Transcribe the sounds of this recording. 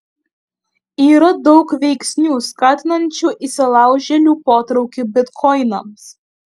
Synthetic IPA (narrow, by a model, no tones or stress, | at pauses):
iːɾɐd̪ɔʊkʋʲɛɪksʲnʲuːskɑːt̪ʲɪnɐnʲt͡ʃʲuːʔiːsʲɪlˠɑˑʊʒʲɛlʲuːpoːt̪ɾɒʊkʲɪbʲɪt̪kʰɔɪnɐms